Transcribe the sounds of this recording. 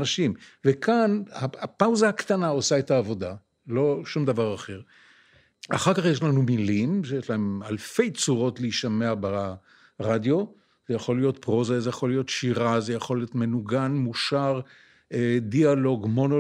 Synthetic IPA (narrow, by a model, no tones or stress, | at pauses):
naʃimvekʰanhaapawzahakt̪anaosaethaːvo̞d̪a | lo̞ʃumd̪avaʁaχe̞ʁ | aχaʁkaχjeʃlanumilimʃejeʃlaemalfe̞jt͡suʁo̞tleiʃameaba | ʁadjo̞ | zejaχo̞lijo̞t̪pʁo̞zazejaχo̞lijo̞t̪ʃiʁazejaχo̞lijotme̞nuɡanmuʃaʁ | edialo̞ɡmo̞no